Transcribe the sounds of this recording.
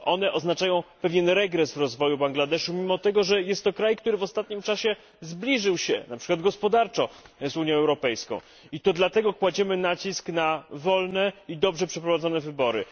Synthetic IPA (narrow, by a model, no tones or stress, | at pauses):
ʔɔnɛʔɔznat͡ʂajɔ̃w̃pɛvʲjɛnɾɛɡɾɛsvɾɔzvɔjubaŋɡlad̪ɛʂumʲimɔt̪ɛɡɔʐɛjɛst̪ːɔkɾajkt̪uɾɘvɔst̪at̪ɲimt͡ʂaɕɛ | zblʲiʐɘwɕɛ̰napʂɘ̥kwad̪ɡɔspɔd̪aɾt͡ʂɔzuɲjɔ̃ɛwɾɔpɛjskɔ̰̃w̃ | it̪ɔd̪lat̪ɛɡɔkwad͡ʑɛmɘnat͡ɕisknavɔlnɛid̪ɔbʐɛpʂɛpɾɔvad̪zɔnɛvɘbɔɾɘ̰